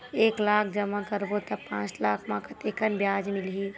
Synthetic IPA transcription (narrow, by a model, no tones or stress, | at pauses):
eːklaːkʰd͡ʒəmakəɾbot̪əpãːt͡ʃlaːkʰmãkat̪eːkənbjaːd͡ʒmɪlɦi